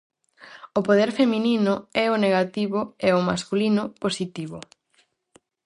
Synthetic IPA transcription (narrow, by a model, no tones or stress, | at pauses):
ʊpoðeɾfemĩninʊɛʊneɣat̪iβʊeʊmaskulinʊposit̪iβʊ